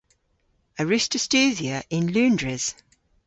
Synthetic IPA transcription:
əɹɪstəstʉːziəʔɪ̃nlʉ̃ːndɹɪz̥

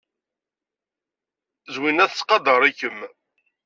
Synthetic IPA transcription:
zwinæθt͡sːqɑd̪əɾˤikːəm

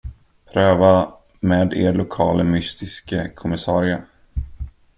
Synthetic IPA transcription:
pʰɾøːva | meːd̪ḛːɾɭʊkʰɑːləmʏst̪ɪskəkʰʊmɪsɑːɾɪə

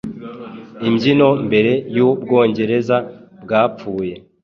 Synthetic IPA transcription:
imɟino̞mbe̞ɾe̞jubɡo̞ːɲɟe̞ɾe̞zabɡaːp͡fuːje̞

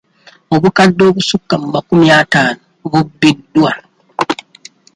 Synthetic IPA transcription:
oβukadːo̞ːβusukːamumakumjaːtaːnoɡubːidːwa

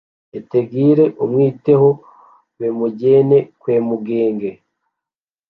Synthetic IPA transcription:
eteɡiːɾe̞ʔumwiːte̞ho | wemuɟe̞ːne̞kweːmuɡeːŋɡe

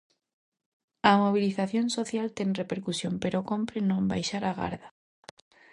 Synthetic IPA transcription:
ɐmoβ̞iliθaθjonsoθjalt̪eŋrepeɾkusjompeɾokompɾenõmba̰jʃaɾaɣa̰ɾða

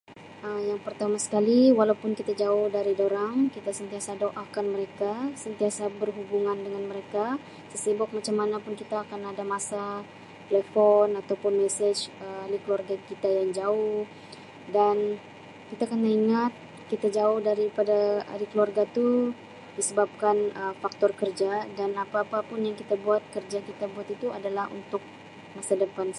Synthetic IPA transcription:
əjaŋpərt̪amasə̥kaliwalaupʊnkit̪ad͡ʒaʊhdaɾidoɾaŋkit̪asənt̪iasadoʔakanməɾekasənt̪iasabərɦubuŋandəŋanməɾeka | səsibɔk̚mat͡ʃamːanapʊnkit̪aːkanadamasa | t̪elefɔnat̪awpʊnmɛsɛd͡ʒəalikluarɡakit̪ajaŋd͡ʒaʊh | dan | kit̪akənːaiŋat̪̚ | kit̪ad͡ʒaʊhdaɾipadaa̰ɾikluarɡat̪u | disəbap̚kanəfak̚t̪ɔrkərd͡ʒadanapaːpapʊnjaŋkit̪abuat̪̚kərd͡ʒakit̪abuat̪it̪uadalahṵnt̪ʊk̚ | masadəpan

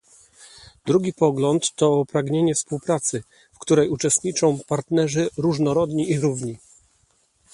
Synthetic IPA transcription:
d̪ɾuɡʲipɔɡlɔnt̪ːɔpɾaɡɲeɲɛfspuwpɾat̪sɘ | fkt̪uɾɛjut͡ʂɛst̪ɲit͡ʂɔ̃w̃paɾt̪nɛʐɘɾuʐnɔɾɔd̪ɲiʔiɾuvɲi

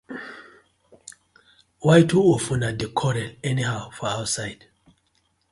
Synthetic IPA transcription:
wajtʰuofũnadekʰɔɾɛlɛnihawfɔawtsajd̥

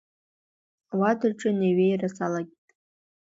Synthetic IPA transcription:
awadaʈ͡ʂʼɨneɥejrasalaɡʲitʼ

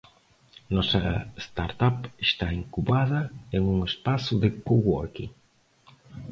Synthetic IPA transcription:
nɔsɐest̪aɾt̪apest̪aeŋkuβaðɐeŋuŋespasʊðekoɣɔ̰kḭ

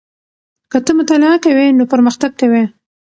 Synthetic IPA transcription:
kət̪əmʊt̪alɪakawenopəɾməxt̪aɡ̚kawe

